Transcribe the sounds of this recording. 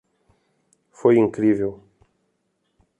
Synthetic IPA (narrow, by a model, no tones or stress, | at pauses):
fojĩŋkɾivew